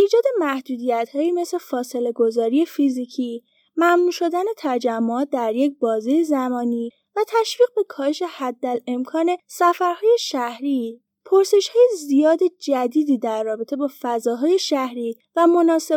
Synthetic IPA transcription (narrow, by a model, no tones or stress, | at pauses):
ʔiːd͡ʒɒːd̪e̞mæhd̪̥uːd̪ijæt̪hɒːjime̞sle̞fɒːse̞le̞ɡozɒːɾije̞fizicʰiː | mæmnuːʃo̞d̪æne̞t̪ʰæd͡ʒæmːoɒːt̪̚d̪æɾje̞c̚bɒːzijezæmɒːniː | væt̪ʰæʃviːɣbe̞kʰɒːheʃe̞hæd̪ːæle̞mkʰɒːne̞sæfæɾhɒːje̞ʃæhɾiː | pʰoɾse̞ʃhɒːjezijɒːd̪e̞d͡ʒæd̪iːd̪iːd̪æɾːɒːbe̞t̪ʰe̞bɒːfæzɒːɦɒːje̞ʃæhɾiː | væmo̞nɒːse